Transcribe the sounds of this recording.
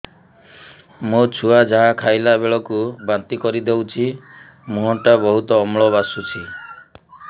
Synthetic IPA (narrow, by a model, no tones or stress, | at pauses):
mut͡ʃʰuad͡ʒaɦakʰajlaebeɭɔkubant̪ikɔɾid̪ewt͡ʃʰi | mũɦɔʈabɔɦut̪ɔːmɭɔbasut͡ʃʰi